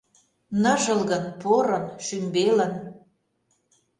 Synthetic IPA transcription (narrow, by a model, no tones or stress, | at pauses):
nə̆ʒəlɣə̆npoɾɤ̆nʃymbelə̆n